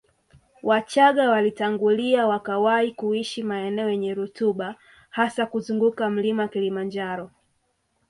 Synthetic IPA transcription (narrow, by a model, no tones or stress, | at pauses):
wat͡ʃaɠawalitaŋɡuliawakawaikuiʃimaɛnɛɔjɛɲɛɾutuɓa | hasakuzuŋɡukam̩limaakilimand͡ʒaɾɔ